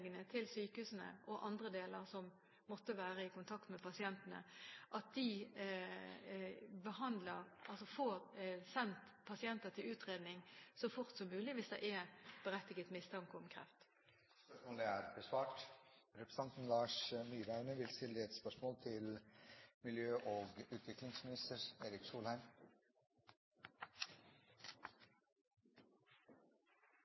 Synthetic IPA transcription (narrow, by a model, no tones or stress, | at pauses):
ɡənət̪ʰɪlsyːkəhʉːsənə̰ʔɔʔɑnd̪ʁəd̪eːləʁsɔmː | ɔt̪ːəʋæːɾəɪkʊnt̪ʰɑkt̪mɛpɑsɪɛnt̪ənə̰ʔɑt̪̚d̪̥ɪ | bəhɑnd̪ləʁʔɑlsɔfoːʁsɛnt̪pʰɑsɪɛnt̪ət̪ʰɪlʉːt̪ʁeːd̪nɪŋsɔfʊʁt̪sɔmːʉːlɪʋɪsd̪ɛ̰ʔɛb̥əɾɛt̪ːɪɡət̪mɪst̪ʰɑŋkɔmkʰʁɛ̰ft̪ | spœʂmoːləæːɾbəsʋɑːʈɾɛpɾəsɑnt̪n̩lɑːʂnyːɾæʉnəʋɪlst̪ɪlːəɛt̪spœʂmoːlt̪ʰɪl | mɪljøːʔoːɡʉːt̪ʰʋɪklɪŋsmɪnɪst̪əɾeːɾɪksuːlhæɪm